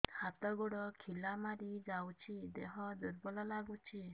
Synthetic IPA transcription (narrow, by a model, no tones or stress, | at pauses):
hat̪ɔɡuɽɔkʰilamaɾid͡ʒawt͡ʃʰid̪eɦɔd̪uɾbɔlalaɡut͡ʃʰi